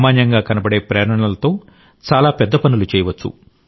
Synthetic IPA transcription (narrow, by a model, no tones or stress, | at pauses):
maːɲjɐŋɡaːkɐnɐbɐɽe̞ːpɾɛːɾɐɳɐɳɐlɐt̪o̞ː | t͡ʃaːlaːpɛd̪ːɐpɐnulut͡ʃɛːjɐʋɐt͡ʃːṵ